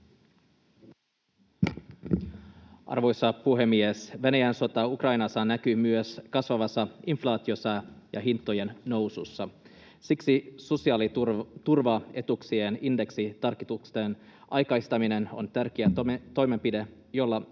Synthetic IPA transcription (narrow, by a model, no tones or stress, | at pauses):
ʔɑ̰rʋo̞jsɑpuɦe̞mːiesʋenæjænso̞t̪ɑukrɑjnɑsːɑnæk̟ymyøskɑsʋɑʋɑsɑinflɑːt̪iosɑjɑ̰ɦint̪ːoje̞nːo̞wsusːɑ | siksiso̞siɑːlit̪urʋɑe̞t̪uksieninde̞ksit̪ɑrkːit̪ukst̪enʔɑjkɑjst̪ɑmine̞no̞̰nt̪ærk̟eæt̪o̞jme̞mpide | jo̞lːɑ